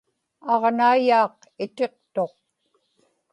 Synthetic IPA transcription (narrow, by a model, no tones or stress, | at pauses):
ɑʁnaijaːq | ɪt̪e̞q̚t̪o̞q̚